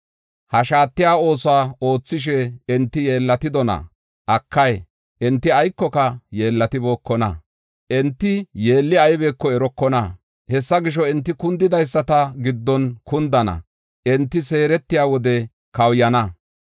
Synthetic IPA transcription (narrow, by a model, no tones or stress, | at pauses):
hɐʃaːt̪ːɪjaːo̞ːsʊaːo̞ːt͡sːɪʃ̬ɛɛnt̪ːɪje̞ːlːɐt̪ɪd̪ɔnɐ̰ | ʔɐkːɐj | ʔɛnt̪ːɪɐjkːɔkɐjeːlːɐt̪ɪbo̞ːkːɔnɐ̰ | ʔɛnt̪ːɪje̞ːlːɪɐjbeːkːɔɛɾɔkːɔnɐ | hɛsːɐɡɪʃ̬ɔɛnt̪ːɪkʊnd̪ɪd̪ɐjsːɐt̪ɐɡɪd̪ːɔnkʊnd̪ɐnɐ̰ | ʔɛnt̪ːɪse̞ːɾɛt̪ːɪjaːwɔd̪ɛ | kɐwjɐnɐ